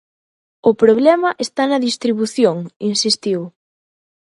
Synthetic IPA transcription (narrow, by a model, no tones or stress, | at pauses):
ʊpɾoβlɛmɐʔest̪anɐðist̪ɾiβuθjoŋinsist̪iw